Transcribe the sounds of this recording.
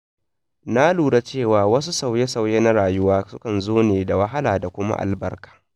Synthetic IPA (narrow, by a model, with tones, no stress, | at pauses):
na˦luː˨ɽa˦t͡ʃeː˦˨waː˨wɐ˦s̬u˦sa˨wje˦sa˨wje˦na˦ɽaː˨jʊ˦waː˦sʊ˦kɐ˨nzoː˦neː˨da˨wɐ˦ɦa˦laː˨da˨kʷʊ˦ma̰˦ʔa̰˨lbɐ̰˦rkḁː˨